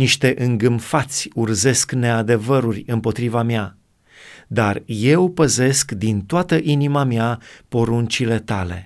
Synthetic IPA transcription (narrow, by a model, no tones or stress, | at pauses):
niʃt̪e̞ʔɨŋɡɨmfat̪sʲurze̞skne̞ad̪e̞vəɾurʲɨmpo̞t̪ɾivamja | d̪arje̞wpəze̞skd̪int̪oat̪əʔinimamjapo̞ɾunt͡ʃile̞t̪ale̞̰